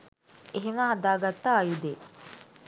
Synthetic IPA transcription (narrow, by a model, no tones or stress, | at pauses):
eɦemaɦɐd̪aːɡat̪ːaːjud̪eː